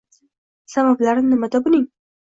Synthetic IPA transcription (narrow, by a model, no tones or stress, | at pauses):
sabablaɾɪnnɨmad̪abʊlʲɪŋ